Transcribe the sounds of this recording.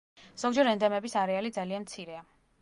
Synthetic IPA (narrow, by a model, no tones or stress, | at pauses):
z̥ɔɡd͡ʒɛɾɛnd̪ɛmɛbisaɾɛalid̪zalianmt̪sʰiɾɛa